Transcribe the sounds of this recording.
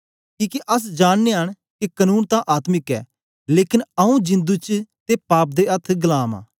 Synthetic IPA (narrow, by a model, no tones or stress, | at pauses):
kĩːkeʔɐs̬d͡ʒaːnːeɦəɳ̃ | kekənuːnt̪ãːʔaːt̪mɪkɛ̰ː | leːkɪnəũd͡ʒɪ̃nd̪ut͡ʃt̪epaːp̚d̪eːɐt̪ʰɡəlaːmã̰ː